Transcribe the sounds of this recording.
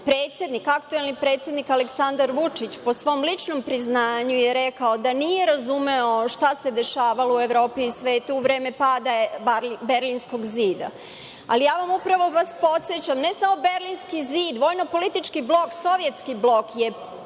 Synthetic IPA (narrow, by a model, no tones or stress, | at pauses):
pɾeːt̪sʲje̞d̪nikakt̪uelˠnipɾet̪sje̞d̪nikaleksand̪aɾʋut͡ʂit͡ɕpo̞sʋo̞mlit͡ʂno̞mpɾiznaːɲujeɾɛkaod̪anije̞ɾazumeoʃt̪ase̞d̪e̞ʃaːʋaloueʋɾo̞ːpiːsʋet̪uuʋɾe̞ːme̞paːd̪abaɾlibe̞ɾlinsko̞ɡziːd̪a̰ | a̰lijaːʋamupɾaʋo̞ʋaspo̞t̪sjet͡ɕamnesamo̞beɾlinskiziːd̪ʋo̞ːjnopo̞lit̪it͡ʃkiblˠo̞kso̞ʋje̞t̪skiblˠo̞kje